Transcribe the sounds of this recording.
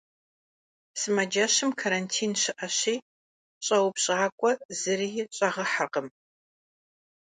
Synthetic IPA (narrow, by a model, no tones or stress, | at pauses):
sɨmɐd͡ʒɐɕɨmkʰaɾantʰiːnɕɪʔɐɕiː | ɕʼɐwʊpɕʼaːkʷʼɔz̥ɨrijɪɕʼɐʁɐħaqəm